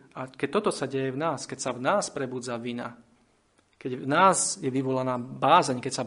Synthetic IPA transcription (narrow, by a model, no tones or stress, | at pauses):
ʔakɛc̚t̪ɔt̪ɔsaɟɛjɛvnaːskɛcsavnaːspɾɛbuːd͡zaʋina̰ | kɛɟvnaːzjɛʋiʋɔlanaːbaːzɛɲkɛcsa